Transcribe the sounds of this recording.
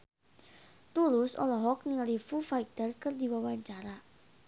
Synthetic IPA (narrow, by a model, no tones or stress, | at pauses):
t̪ulʊsɔ̰lɔɦɔk̚nɪŋlifufait̪ərkərd̪i̤wawaɲt͡ʃaɾa